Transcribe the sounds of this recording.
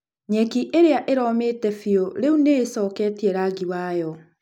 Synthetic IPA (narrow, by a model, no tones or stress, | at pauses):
ɲɛkiʔeɾeaʔeɾɔːmeːtɛfiɔɾeunesɔːkɛːtiɛɾaɡiwaːjɔ